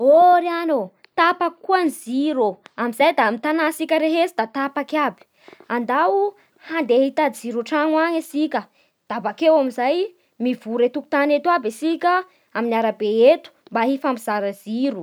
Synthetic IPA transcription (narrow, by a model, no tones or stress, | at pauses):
oɾano | t̪apakuaniziɾoamizajd̪amit̪anasikʲəɾeɦesid̪at̪apakabi̥ | and̪au | hand̪eɦit̪ad̪iziɾuʈ͡ʂaŋwaɲesikʲə | d̪̥abakewamizaj | mivuɾet̪uku̥t̪anet̪uabesikʲə | aminiaɾabeet̪u̥mbaɦifampiz̥aɾaz̥iɾu